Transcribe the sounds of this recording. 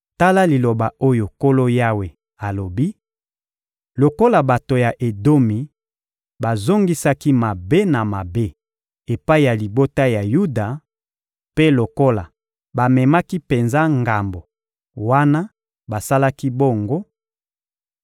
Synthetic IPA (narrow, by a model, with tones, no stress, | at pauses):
ta˦la˦li˨lo˨ba˨o˦jo˨ko˦lo˦ja˦we˨ | a˨lo˨bi˦ | lo˨ko˦la˨ba˨to˨ja˨ʔe˨do˦mi˨ | ba˨zo˦ŋɡi˦sa˦ki˦ma˨be˦na˨ma˨be˦ | e˨pa˦i˨ja˨li˨bo˦ta˦ja˨ju˦da˨ | pe˦lo˨ko˦la˨ | ba˨mɛ˨ma˦ki˦pe˨nza˦ŋɡa˨mbo˨ | wa˦na˦ | ba˨sa˦la˦ki˦bo˦˨ŋɡo˦